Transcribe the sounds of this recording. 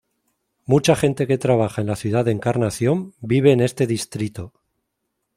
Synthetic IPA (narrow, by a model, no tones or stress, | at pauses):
mut͡ʃaxe̞nt̪e̞ke̞t̪ɾaβ̞axae̞nlaθjuð̞aðeŋkaɾnaθjo̞mbiβ̞e̞ːne̞st̪e̞ðist̪ɾit̪o̞